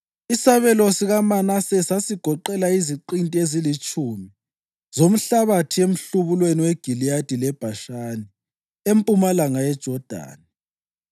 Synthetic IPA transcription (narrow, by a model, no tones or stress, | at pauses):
isaβɛlosiɣamanasɛsasiɡ̥ʱɔǃɛlaiziǃintʼiezilit͡ʃʼuːmi | zom̩ɬaβatʰiem̩ɬuβulweniweɡ̥ʱilijad̥ʱilɛb̥ʱaʃaːni | empʼumalaŋajɛd̥ʒ̥ʱɔd̥ʱa̰ːni